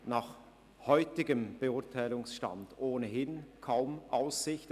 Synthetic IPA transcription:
naːχ | hɔʏtɪɡəmb̥əʊɐtʰaɪlʊŋsʃta̰ndʔoːnəɦɪnkʰaʊmʔaʊsːɪçt

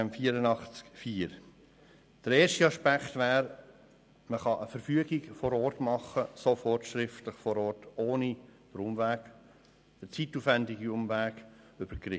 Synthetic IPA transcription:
mfiːəɾənɑχt͡skfiːəɾ | d̥əɾeːɾʃtiɑʃpækχt̪væːɾ | məχɑʔəfəɾfyəɡiɡfɔɾɔːɾtmɑχːəsofɔɾtʃɾɪftləχfɔɾɔːɾtoːnib̥əɾʊmvæːɡ̥ | d̥ət͡situːfvændiɡiʊmvæːɡ | ʏb̥əɾkɾɪ

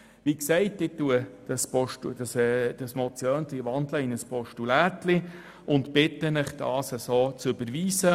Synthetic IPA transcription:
ʋiksɛɪtɪtːuəd̥ɑspɔʃtud̥ɑsɛd̥ɑsmɔt͡sjœːntliʋɑnd̪ləɪnəspʰɔʃtulæːtli | ʊntb̥ɪtənəχd̥ɑ̰ːsəsoːt͡søbəɾʋiːsə

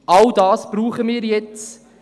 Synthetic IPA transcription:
ʔɑldɑːsb̥ruːχəmɪːɾjɛt͡s

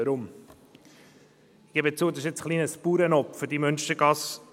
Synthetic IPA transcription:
əɾʊm | ɪɡ̥ɛbət͡suːd̪ɑʃɪt͡sχliːnəspuːɾənɔpfʏɾdimønʃtəɾɡ̥ɑs

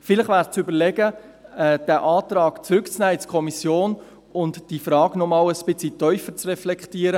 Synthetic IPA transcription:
fɪləχʋæːɾst͡sybəɾlɛɡə | ɛd̥æːʔɑːtɾɑːkt͡sɾʏkt͡snæːɪt͡skʰɔmisjoːn | ʊntd̥ifɾɑːɡnɔmɑːləspɪt͡sitœʏfət͡srɛflɛktiːəɾə

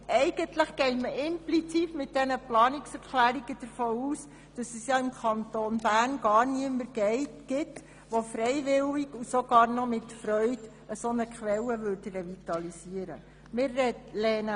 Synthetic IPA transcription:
ʔɛɪɡ̥əntləχɡ̥ɛɪtməʔɪmplit͡siːtmɪt̚d̥ɛnəplɑːnɪksɛɾkʰlæːɾiɡ̥əd̥əɾfoːuːs | d̥ɑsɛsjɑɪmkʰɑnt̪oːnbæːrnɡ̥ɑːɾniəməɾɡ̥ɛɪtɡ̥ɪt | ʋofɾɛɪʋɪliɡusoɡ̥ɑːɾnɔmɪtfɾœʏd | əsonəkχʋɛlːəʋøɾdrɛvit̪ɑlisiəɾə̰ | mɪɾːɛtlɛːnə

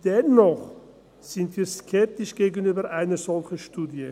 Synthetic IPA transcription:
d̥ɛnːɔχ | z̥ɪntv̥iːskʰɛp̚tɪʃɡ̥eːɡən̩yːbəɾʔaɪnəzɔlçən̩ʃtuːdjə

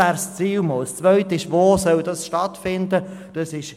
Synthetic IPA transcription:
æːɾst͡siːlmɔːlst͡svœʏtəɪʃʋoːsœldɑsʃtɑtfɪndəd̥ɑsɪʃ

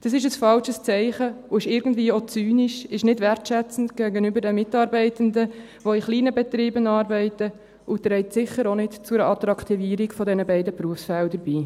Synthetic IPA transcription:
d̥ɑs̬ɪʃ̬əsfɑlʃəst͡sɛɪχəʊɪʃɪɾɡən̩dviːot͡syːniʃɪʃnɪdvɛrtʃɛt͡sn̩tɡ̥æːɡənybəɾdɛmːɪtɑːɾbɛɪtənd̪ə | voiχliːnəbɛt̪ɾiːbənɑːɾbɛɪtə | ʊt̪ɾɛɪtsɪχəɾonɪtt͡sʊɾɑt̪ɾɑkʰt̪iviːɾikfɔdɛnəbɛɪdəpɾuəfsfɛldəɾb̥iː

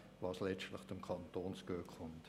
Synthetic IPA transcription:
vɑːslɛt͡ʃtlɪχt͡sʊmkʰɑntoːnskøːkχʊnt

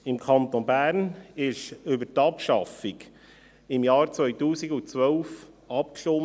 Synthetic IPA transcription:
ɪmkʰɑnt̪onbæːɾnɪʃʏbətɑpʃɑfiɡ | ɪmjɑːɾt͡sʋœjt̪uːsiɡʊt͡sʋœʊf | ɑp̚kʃo

